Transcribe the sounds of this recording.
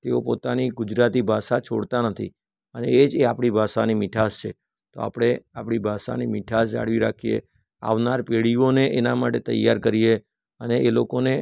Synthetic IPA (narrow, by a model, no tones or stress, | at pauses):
t̪eopot̪aniɡʊd͡ʒɾat̪ibʱasat͡ʃʰoɽt̪anət̪ʰḭ | əneed͡ʒeapɽ̃ibʱasanimɪʈʰast͡ʃʰe | t̪o̰a̰pɽ̃eapɽ̃ibʱasa̰nimiʈʰas̬d͡ʒa̰ɽʋiɾa̰kʰijḛ | a̰ʋnaɾpeɭioneʔenamaʈet̪ə̰jːaɾkəɾije | əneelokone